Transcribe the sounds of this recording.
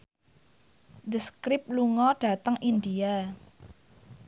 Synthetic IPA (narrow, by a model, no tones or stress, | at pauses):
d̪əskɾɪp̚luŋɔɖ̥a̤t̪əŋʔind̪ia